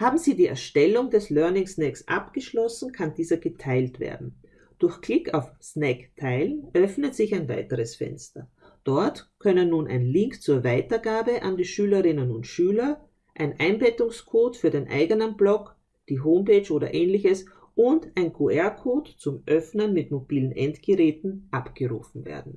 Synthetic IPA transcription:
haːbm̩ziːdiːɛ̰ɐʃtɛlʊŋdɛslœɐnɪŋsnɛksʔa̰pɡ̥əʃlɔsn̩kʰandiːzɐɡətʰaɪltv̥ḛːɐdn̩ | d̥ʊɐxkl̥ɪkʰaʊfsnɛktʰaɪlənʔœfnətz̥ɪçaɪnva̰ɪtəʁəsfɛ̰nstɐ | d̥ɔɐtkʰœnənːuːnʔa̰ɪnlɪŋkt͡suːɐvaɪtɐɡaːbəʔandiːʃyːləʁɪnənʊntʃyːlɐ | ʔaɪnʔaɪnbɛtʊŋskʰoːtfyːɐdeːnʔa̰ɪɡənənblɔk | d̥iːɦoːmpeːt͡ʃʔoːdɐ̰ʔeːnlɪçəs | ʔʊndaɪnkʰoɛɐkʰoːtt͡sʊmʔœfnənmɪtmobiːlən̩ʔɛntɡ̥əʁɛːtn̩ʔapɡ̥əʁṵːfn̩vḛːɐdn̩

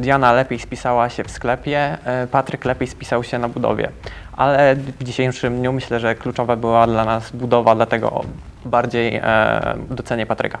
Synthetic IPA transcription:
d̪janalɛpʲjejspʲisawaɕɛfsklɛpʲjɛpat̪ɾɘklɛpʲejspʲi̥sawɕɛnabud̪ɔ̰vʲjɛ̰ʔalɛvd͡ʑiɕejʂɘmd̪ɲumɘɕlɛʐɛklut͡ʂɔvabɘwad̪lanazbud̪ɔvad̪lat̪ɛɡɔ̰baɾd͡ʑej̰ | d̪ɔt̪sɛɲɛpat̪ɾɘ̰ka

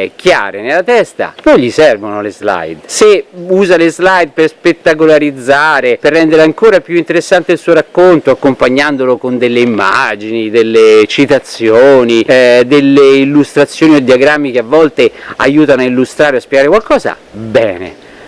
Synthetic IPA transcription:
ɛkːja̰ːɾenelːat̪ɛst̪a̰pɔjʎisɛrvonolezla̰jd̪seuːzalezlajd̪̚perspet̪ːakolaɾid̪zaːɾeperːɛnd̪eɾeaŋkoːɾapjuint̪eɾesːant̪eilsuːoɾakːont̪oakːompaɲːand̪olokond̪elːeimːa̰d͡ʒinid̪elːet͡ʃit̪at̪sːjoːnid̪elːeilːust̪ɾat̪sːjoːniod̪ːiaɡɾamːikeavːɔlt̪ea̰juːt̪anoailːust̪ɾaːɾeoaspjɛɡaːɾekwalkɔːza̰ | bɛ̰ːnḛ

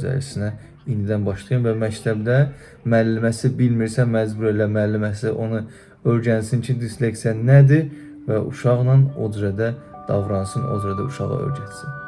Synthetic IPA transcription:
zæ̰ɾisinæ | ind̪id̪ænbɑʃlˠɑjɯnvæmæct̪ʰæbd̪æ | mælːimæsibilmiɾsænmæzbuɾelæmælːimæsiʔo̞nɯ | øɾɟænsint͡ʃʰind̪isleksijænæd̪i | væʔṵʃɑʁnɑno̰zɾæd̪æ | d̪̥ɑvɾɑnsɯnʔo̰zyɾæd̪æ̰uʃɑʁɑ̰ø̰ɾɟæt̪sin

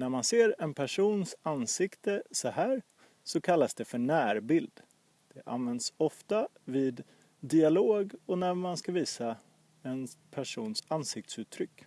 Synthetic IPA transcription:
næɾmanseːɾɛnpʰæʂuːnsansɪkt̪əsɔhæːɾ | sɔkʰalːasd̪ɛfœɳæːɾbɪld̪ | d̪̥ɛʔa̰nvɛnd̪sɔft̪a | viːd̪ | d̪ɪaloːɡɔnæɾmanskaviːsa | ɛnpʰæʂuːnsansɪk̚t̪sʉːt̪ʰːɾʏkː

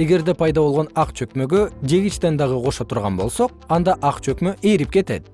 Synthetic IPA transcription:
e̞ɡe̞ɾd̪epʰɑjd̪ɑβo̞lˠʁo̞nɑqt͡ʃʰø̞kmø̞ɡød͡ʒe̞ɡʲit͡ʃt̪end̪ɑʁɯqʰo̞ʃot̪ʰuɾʁɑnbo̞̰lˠso̞q̚ɑnd̪ɑʔɑqt͡ʃʰøkmø̞ʔe̞ɾip̚ke̞t̪e̞̰t̪

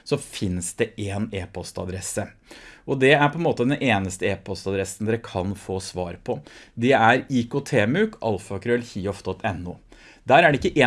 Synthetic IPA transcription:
sɔfɪnsd̪ɛʔeːneːpʰɔst̪ɑ̰d̪ɾɛsːəʔɔd̪ɛæɾpʰɔɛnmoːt̪əd̪ɛnʔeːnəst̪əeːpɔst̪ɑd̪ɾɛsn̩d̪ɛɾəkʰɑnfoːsʋɑːɾpʰɔd̪ɛæɾiːkʊt̪ʰeːmʉkʔɑ̰lfɑkɾʉɛlçiːɔfd̪ɔt̪ʰːɛnːʊ̰ː | d̪æːɾæɖɛɪkːəʔeː

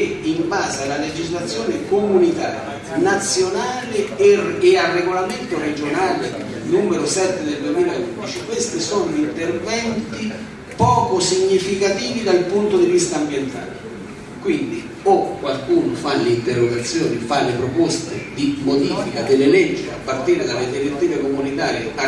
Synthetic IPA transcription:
imbaːzealːaled͡ʒizlat̪sːjɔːnɪkomunit̪aːɾja̰ | nat̪sːjonaːlɪː | arːeɡolament̪ʊɾed͡ʒonaːle | nuːmeɾʊsɛt̪ːɪd̪eld̪wemiːlaund̪it͡ʃikwest̪isɔːnoint̪ervɛnt̪i | pɔːkʊsiɲːifikat̪iːvid̪alpunt̪od̪ivist̪aːmbjɛnt̪a̰ːlɪ | kwind̪i | okːwalkuːnʊfaleint̪ɛrːoɡat̪sːjɔːnifalːepɾopɔst̪ed̪imod̪iːfikad̪ɪlːɪlɛd͡ʒːia̰pːart̪iːɾed̪alːed̪iɾet̪ːiːvekomunit̪aːɾjea

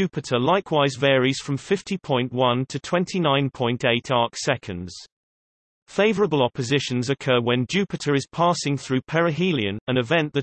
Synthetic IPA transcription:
ʉˑpɪtʰəlaɪkʰwaɪzvɛːɹiz̥fɹə̃ɱfɪftʰipʰɔ̃ɪ̃nʔwʌ̃ntʰətʰw̥ɛ̃ntʰinãɪ̃npʰɔ̃ɪ̃nteɪtʰɑˑksɛkʰə̃ndz̥ | feɪvəɹəbəlˠɒpəzɪʃə̃nzəkʰɜːwə̃nd͡ʒʉˑpɨtʰəɹɪz̥pʰɑˑsɪ̃ŋθɹʉːpʰɛɹəɦiliə̃nə̃nɪvɛ̃nʔðə

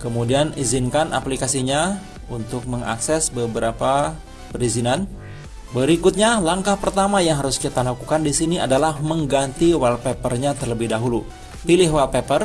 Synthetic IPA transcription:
kəmudianizinkana̰plikasiɲa | unt̪ʊk̚məŋa̰ksɛsbəbəɾapa | pəɾizinan | bəɾikʊt̪̚ɲalaŋkahpərt̪amajaŋɦaɾʊskit̪alakukandisiniadalahməŋɡant̪iwalpepərɲat̪ərləbɪhdaɦulu | pilɪɦwalpepər

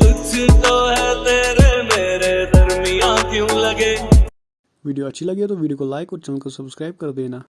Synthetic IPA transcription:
ʊt͡ʃʰt̪oːɦɛt̪eːɾemeːɾed̪ʱɐɾmijãːkjõːlɐɡeː | ʋiːɖijoɐtːʃʰilɐɡet̪oʋiːɖijokolaːɪkɔːɾt͡ʃəlkɐsɐbskɾaːɪb̚kɐɾd̪eːnaː

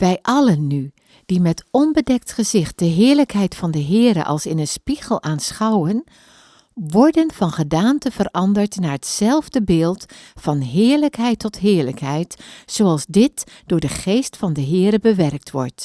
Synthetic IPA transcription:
ʋɛjʔɑlənːy | d̥imɛtɔnbədɛk̚tχəzɪχt̚d̥əɦɪːɹləkɦɛjtfɑndəɦɪːɾə̰ʔɑ̰lˠsɪnənspiɣəlˠaːnsχɑwən | ʋɔɹdənv̥ɑnχədaːntəvərɑndəɹtnaːɹətsɛlˠvdəbɪːlˠtfɑnɦɪːɹləkɦɛjtːɔtɦɪːɹləkɦɛjtsoɑlˠzdɪtd̥ʊːɹdəχejstfɑndəɦɪːɾəbəʋɛrk̚tʋɔ̰ɹt

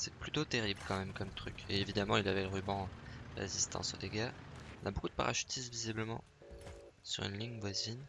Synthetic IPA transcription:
sɛ̥plyt̪ot̪eʁibləkɑ̃mɛmkɔmt̪χykʲḛevid̪amɑ̃ilavɛləʁybɑ̃ʁḛzist̪ɑ̰̃so̰d̪eɡʲaɔ̃nabokud̪əpa̰ʁa̰ʃy̥t̪ʰisvizibləmɑ̰̃ | sy̰ʁy̰nliɲvwazin

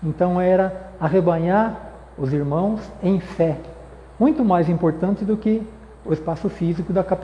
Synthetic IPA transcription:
ẽnt̪ɐ̃w̃ɛɾɐaɦebɐɲaɾ | ʊziɾmɐ̃w̃sẽj̃fɛ | mũj̃t̪ʊmajzĩmpoɾt̪ɐ̃nt͡ʃ̪ɪd̪ʊkɪ | ʊespasʊfizikʊd̪ɐkap

